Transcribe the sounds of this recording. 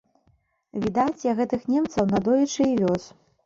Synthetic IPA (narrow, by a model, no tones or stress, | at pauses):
vʲid̪at͡sʲjɐɣɛt̪ɨxnʲɛmt̪sɐwnɐd̪ɔjɐt͡ʂɨivʲɔs